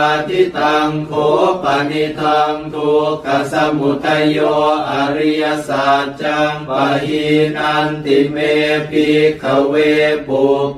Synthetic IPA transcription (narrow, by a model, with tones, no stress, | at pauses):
a˧t̪ʰi˦t̪a˧ŋkʰo˧˦pa˨ni˧t̪ʰa˧ŋt̪ʰo˧ka˨sa˧mu˨˩t̪ʰːa˧jɔː˧ʔa˨ɾi˧ja˧saː˨t̚t͡ɕa˧ŋpa˧ɦi˧nʔa˧nt̪i˨˧me˧pi˧kʰa˨˩weː˧po˨